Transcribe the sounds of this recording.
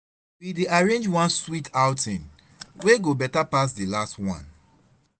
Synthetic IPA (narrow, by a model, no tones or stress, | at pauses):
wideaɹẽnd͡ʒwãnswitʰaʊtʰĩn | weɡobɛtapas̬delastwã̰n